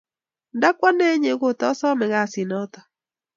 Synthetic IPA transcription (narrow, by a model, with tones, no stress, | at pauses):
nda˦kwa˦nɛ˦ɲe˨˦ɣo˨tɔ˨˦sɔ˦mɛ˨ɣa˦˨si˨nɔ˦ta˨